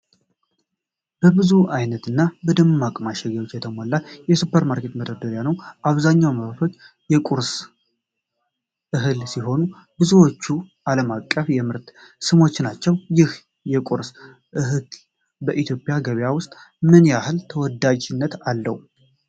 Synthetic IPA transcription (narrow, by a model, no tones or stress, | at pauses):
b̥əbɨzuʔajnət̪ɨnːabəd̪ɨmmakʼmaʃɛɡɛwo̞t͡ʃːjɛt̪ʰəmolːajɛsupʰːəɾmaɾkʰet̪məd̪əd̪əɾjanəwʔaβzaɲːawməβfo̞t͡ʃː | jɛkʼuɾs | ʔɨɦɨlsiɦo̞nu | bɨzuwot͡ʃːuʔaləmakʼːəfjɛmɨɾt̪sɨmo̞t͡ʃːnat͡ʃːɛwjɪh | jɛkʼuɾs | ʔɨɦɨl | bəʔit̪ʰjo̞pʼjaɡəβjawʊst̪ʼmɨnɨnjahɨlt̪ʰəwɔd̪ad͡ʒɪnːət̪alːə̰hu